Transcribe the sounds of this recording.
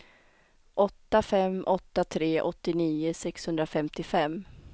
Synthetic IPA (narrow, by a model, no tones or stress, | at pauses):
ʔɔt̪ːafɛmʔɔt̪ːat̪ʰɾeːʔɔt̪ːɪniːʊsɛkshɵnd̪ɾafɛmt̪ɪfɛmː